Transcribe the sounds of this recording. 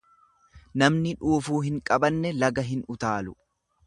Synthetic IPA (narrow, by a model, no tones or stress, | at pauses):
nɐmnɪᶑuːfuːɦɪŋkʼɐbɐnːɛlɐɡɐɦɪnʊt̪aːlʊ